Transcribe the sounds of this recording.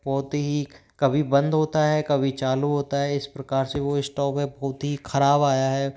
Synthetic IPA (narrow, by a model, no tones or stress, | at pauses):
bɔːt̪eɦi | kɐbʱibɐ̃nd̪ɦoːt̪aɦɛkɐbʱit͡ʃaːluɦoːt̪aɦɛɪspɾɐkaːɾseʋoɪsʈɔːpẽbɔːt̪ɦixʰɐɾaːbaːjaɦɛː